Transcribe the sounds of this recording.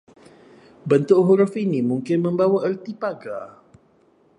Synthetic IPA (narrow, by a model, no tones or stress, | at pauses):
bənt̪ʊʔɦuɾʊfinimuŋkɪnmə̃mbawaʔərt̪ipaɡa̰